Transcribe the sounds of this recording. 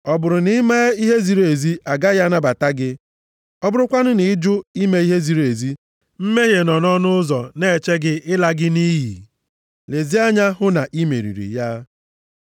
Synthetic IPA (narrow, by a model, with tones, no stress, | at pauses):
ɔ˨bʊ˨ɾʊ˨nɪ˦me˦i˦ɦe˦zi˦ɾe˨zi˦ʔa˨ɡa˦ja˦na˦ba˨ta˦ɡɪ˦ | ɔ˦bʊ˦ɾʊ˦kʷa˦nʊ˦nɪ˨˦d͡ʒʊ˦i˦me˨˦i˦ɦe˦zi˨ɾe˨zi˦ | m̩˦me˦ɦe˨nɔ˨nɔ˦nʊ˦ʊ˦zɔ˨ne˦˨t͡ʃe˦ɡɪ˦ɪ˦la˦ɡɪ˦ni˦jḭ˨ | le˨zi˦a˦ɲa˦ɦʊ˦na˨ʔi˦mḛ˨ɾḭ˨ɾḭ˨ja˦